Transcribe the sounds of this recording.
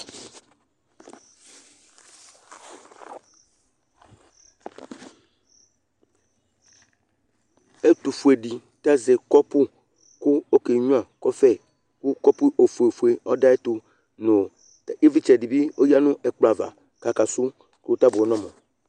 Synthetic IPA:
e˦t̪u˨fu˨e˨di˨ | ta˦zɛ˨kɔ˦pʊ˦ | kʊ˦o˦ke˨ɲ˦ã˨kɔ˦fɛ˦ | kʊ˦kɔ˦pʊ˦o˨fu˨e˨fu˨e˨ɔ˦da˦ɛ˦tu˨ | no˨ | te˦vi˦t͡ʃɛ˨di˨bi˦o˦ja˦nʊ̃˦ʔɛ˨k͡pla˨va̰˨ | ka˨ka˨sʊ˦ | ku˦t̪a˦bɔ˦nɔ̃˦mɔ˨

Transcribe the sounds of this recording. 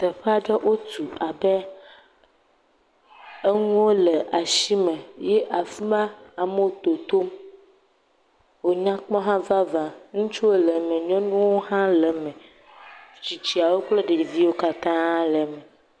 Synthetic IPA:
t̪ɛ˨ɸe˦a˨ɖɛ˦ʔo˦t̪u˨a˨bɛ˦ | e˦ŋũ˦wo˦lɛ˨ʔa˨ʃi˦mɛ˨jɛ˦ʔa˨fi˦ma˦a˨me˦wo˨t̪o˨t̪o˦m | wo˨ɲã˦k͡pɔ̃˦ɦã˦va˦vã˨ŋũ˦t͡ʃu˦wo˦le˨mɛ̃˨ɲɔ̃˦nũ˦wo˦hã˦lɛ˨mɛ̃˨ | t͡ʃi˨t͡ɕi˦a˨wo˦k͡ple˦ɖe˨vi˦wo˦ka˦t̪ã˦lɛ˨mɛ̃˨

